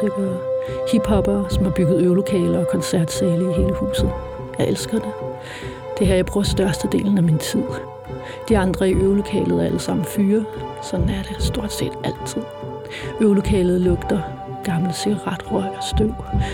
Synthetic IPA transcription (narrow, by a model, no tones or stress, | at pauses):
d̥eb̥eðˠhib̥hɒ̽b̥ɐsɒ̽mhɑ̈b̥yɡ̥ð̩ˠøʊlo̝kʰɛ̰ːlɐɒ̽kʰɒ̽nsæɐ̰d̥seːləiɦe̝ːləhṵːsð̞̩ˠ | jɑɪʔelsɡ̥ɐd̥e̝ | d̥e̝ɦæɐ̰jɑɪb̥ʁuːɐsd̥ɶɐsd̥əd̥e̝̰ːln̩æmint͡sʰið̰ˠ | d̥iɑ̈nd̥ʁɐiʔøʊlo̝kʰɛ̰ːlð̩ˠæɐæləsɑ̈m̰n̩fyːɐsɒ̽d̥n̩æɐɾ̥esd̥o̝ɐ̰d̥se̝̰ːd̥æl̰t͡sʰið̰ˠ | øʊlo̝kʰɛ̰ːlð̩ˠlɔ̽ɡ̥d̥ɐ | ɡ̥ɑ̈ml̩əsiɡ̥ɑʁɑd̥ʁɒɪ̰ɒsd̥øʊ̰